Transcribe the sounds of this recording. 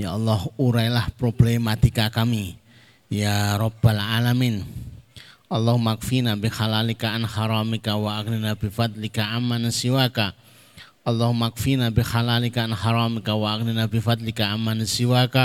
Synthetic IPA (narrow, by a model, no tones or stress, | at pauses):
jaɑlːɔhuɾajlahpɾɔblemat̪ikakami | jaɾɔbalʕalamin | ɑlːɔhumakfinabixalalikaʔanhaɾamikawaʔakninabifat̪̚likaʔamːanasiwaka | ɑlːɔhmakfinabixalalikaanhaɾamikawaʔak̚ninabifat̪̚likaʔamːanasiwaka